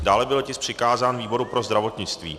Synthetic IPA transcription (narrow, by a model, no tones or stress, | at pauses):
daːlɛbɪlcɪspr̝̥ɪkaːzaːnviːbo̞ɾupɾo̞zd̪ɾavo̞t̪ɲɪt͡st̪vḭː